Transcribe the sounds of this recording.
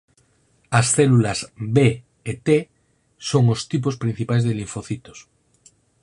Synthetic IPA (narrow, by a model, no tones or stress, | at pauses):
asθelulazbeː | t̪e | soŋost̪ip̬ospɾĩn̟θipajzðeliɱfoθit̪os